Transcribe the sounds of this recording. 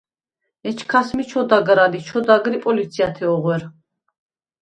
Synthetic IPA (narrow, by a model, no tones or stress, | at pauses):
ɛt͡ʃʰkʰasmit͡ʃʰɔd̪aɡɾalit͡ʃʰɔd̪aɡɾipʼɔlit̪sʰiat̪ʰɛɔʁwɛɾ